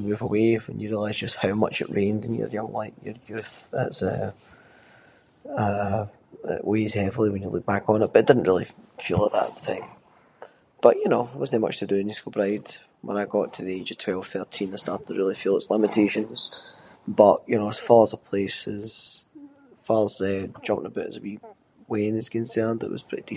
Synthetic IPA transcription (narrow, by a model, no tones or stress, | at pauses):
əmʉvəweə̰̃njəɹiəlˠaɪzd͡ʒʌst̚haʊmʌ̰t͡ʃɪ̰ʔɹẽndɪ̃njə̰˞jʌ̃ŋlˠaɪʔjə̰˞jʉθɪ̰tsə̰ | ʌ | ɪ̰ʔwez̥hɛvl̩ˠiwə̃njəlˠʉk̚b̥akn̩ɪʔ̚b̥ʌɪd̥ɪdⁿn̩ʔɹilˠḭfilˠəʔðə̰ʔə̰ʔ̪̚ðətʰãɪ̃m | b̥ʌʔjənowʌzn̩əmʌ̰t͡ʃtʰədəɪ̃niskəbɹaɪd̥ | wʔə̃naɪɡɔʔtʰəðied͡ʒəv̥tʰw̥ɛlˠv̥θɜ˞tʰĩnəstaɹtɪɹilˠifilˠəɪtslˠɪ̃mətʰeʃə̃nz̥bʌʔjɨnoʊəz̥falˠzəpʰl̥esɪz̥ | falˠzɛd͡ʒʌ̃mpɪ̃ŋəbɪʔə̰zəbi | wẽnɪz̥kʰə̃nsɛ̃˞ndɪ̰ʔwʌ̰z̥pʰɹ̥ɪʔid̥i